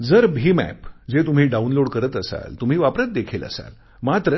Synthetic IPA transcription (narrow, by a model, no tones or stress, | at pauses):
d͡zəɾbʱiːmæ̰pd͡zet̪um̤iːɖaunloɽkəɾət̪əsa̰lt̪um̤iːʋapɾat̪̚d̪ekʰelə̰sa̰l | mat̪ɾə